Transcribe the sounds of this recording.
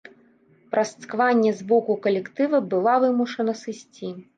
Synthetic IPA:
pɾʔɐst̪skvanʲːɛzbɔkukɐlʲɛkt̪ɨvɐbɨlˠavɨmuʂɐnɐsɨsʲt͡sʲi

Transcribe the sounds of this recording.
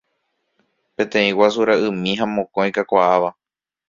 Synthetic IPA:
pẽ̞t̪ẽ̞ĩwas̬uɾaɨ̃mĩɦãmõ̞kõj̃kakʷaʔaʋa

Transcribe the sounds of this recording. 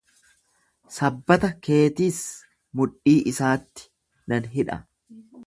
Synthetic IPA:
sɐbːɐt̪ɐke̞ːt̪iːs | mʊᶑiːʔɪsaːt̪ːɪ̥ | nɐnɦɪᶑɐ̰

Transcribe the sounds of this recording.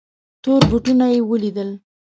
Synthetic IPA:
t̪oɾbʊʈunajewəlid̪əl

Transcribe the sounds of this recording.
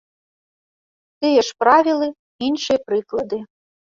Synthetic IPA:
t̪ɨjɛʂpɾavʲilˠɨ | inʂɨjɛpɾɨklˠɐd̪ɨ

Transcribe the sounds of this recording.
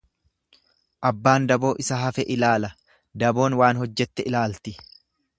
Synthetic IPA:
ʔɐbːaːnd̪ɐbo̞ːʔɪsɐɦɐfɛʔɪlaːlɐ | d̪ɐbo̞ːnwaːnhɔd͡ʒːɛt̪ːɛʔɪlaːlt̪ɪ

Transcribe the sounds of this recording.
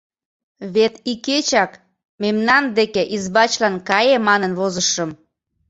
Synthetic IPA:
βet̪iket͡ɕɑk | memnɑnd̪ekeʔizbɑt͡ɕlɑnkɑjemɑnənβozəʃəm

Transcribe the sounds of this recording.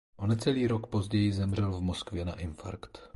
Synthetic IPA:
ʔonɛt͡sɛliːɾo̞kpo̞zɟɛjɪzɛmr̝ɛlvmo̞skvjɛna̰ʔɪnfa̰ɾkt̪

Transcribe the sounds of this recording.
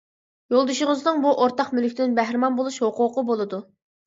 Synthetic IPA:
jolˠd̪uʃəʁəznɨŋbuʔoɾt̪ɑqmylkʲd̪ɪnbæhɾɪmɑnbolˠuʃhoqʰʊqəbolˠɨd̪u

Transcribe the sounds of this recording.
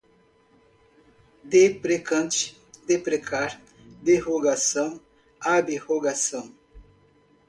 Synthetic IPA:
d̪epɾekɐ̃nt͡ʃ | d̪epɾekʰaɾ | d̪ehoɡasɐn | abehoɡasɐŋ

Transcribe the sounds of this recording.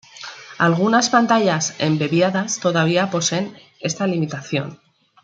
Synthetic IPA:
alɣ̞unaspant̪aʎase̞̰mbeβjaðast̪o̞ðaβ̞iapo̞se̞n | e̞st̪alimit̪aθjo̞̰n

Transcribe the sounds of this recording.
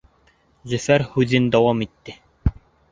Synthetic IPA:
zɵ̆fæɾhʉðɘnd̪ɑwɑmit̪ːɘ

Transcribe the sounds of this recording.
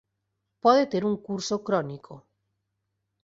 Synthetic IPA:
pɔðet̪eɾuŋkuɾsokɾɔnikʰo

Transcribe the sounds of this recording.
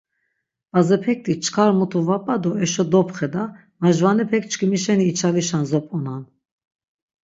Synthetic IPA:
b̥azɛpʰɛk̚t̪ʼit͡ʃʰʼkʰaɾmut̪ʰuvapʼad̪ɔɛʃɔd̪ɔpχɛd̪a | maʒvanɛpʰɛk̚t͡ʃʰkʰimiʃɛniːt͡ʃʰaviʃanzɔpʼɔnan

